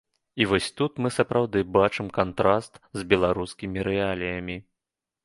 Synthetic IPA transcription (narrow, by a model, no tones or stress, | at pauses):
ivɔsʲt̪ut̪mɨsɐpɾawd̪ɨbat͡ʂɨmkant̪ɾast̪zʲbʲɛlˠaɾuskʲimʲiɾɛalʲijɐmʲi